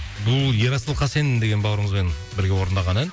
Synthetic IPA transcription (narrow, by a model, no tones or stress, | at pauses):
bʊlˠje̞ɾɑsəlˠqʰɑse̞nɪnd̪e̞ɡʲenbɑwɾəɴəzme̞nbɪɾɡʲe̞wo̞ɾənd̪ɑʁɑnæn